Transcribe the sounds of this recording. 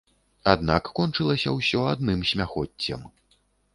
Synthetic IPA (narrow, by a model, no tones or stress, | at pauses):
ad̪nakːɔnt͡ʂɨlˠɐsʲɐwsʲɔad̪̚nɨmsʲmʲaxɔt͡sʲːɐ̰m